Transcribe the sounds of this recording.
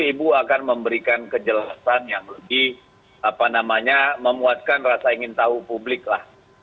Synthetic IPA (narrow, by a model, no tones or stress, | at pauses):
ibuakanməmbəɾikankəd͡ʒəlasanjaŋləbɪh | apanamaɲaməmuat̪̚kanrasaiŋɪnt̪aɦupublɪk̚lah